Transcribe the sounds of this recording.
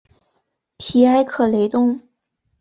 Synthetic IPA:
pʰi˧˥a˥ɪkʰɤ˨˩le˧˥ɪt̪ʊ˥˩ŋ

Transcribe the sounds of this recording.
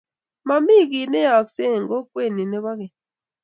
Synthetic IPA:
ma˨mi˦˨ki˨ne˦ja˨kse˦˨ŋɡo˦kwe˦˨ni˨ne˦βa˦ke˨

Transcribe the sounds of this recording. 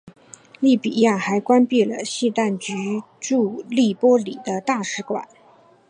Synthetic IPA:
li˥˩pi˨˩ja˥˩xa˧˥ɪkwa˥npi˥˩lə˩ɕi˥˧t̪a˥˩nt͡ɕy˧˥ | ʈ͡ʂu˥˧li˥˩pwɔ˥li˨˩d̪ə˦t̪a˥˩ʂɻ̩˧˥kwa̰˨˩˦n

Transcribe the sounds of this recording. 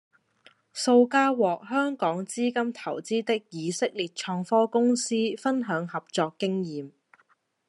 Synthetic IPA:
so˧wkaː˥wɔː˨k̚ɦœː˥ŋkɔː˨˥ŋt͡siː˥kɐ˥mt̪ʰɐ˨˩wt͡siː˥t̪ɪ˥k̚jiː˨˧sɪ˥k̚liː˨˩t̚t͡ʃʰɔː˧ŋfɔː˥kʊ˥ŋsiː˥fɐ˥nɦœː˨˧˥ŋhɐ˨p̚t͡sɔː˧kːɪ˥ŋjiː˨m

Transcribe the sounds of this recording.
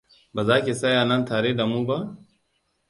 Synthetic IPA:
bɐ˨zaː˦ke˨sɐ˦jaː˨nɐ˦nt̪ʰaː˨ɾe˦dɐ˨muː˦ba˦

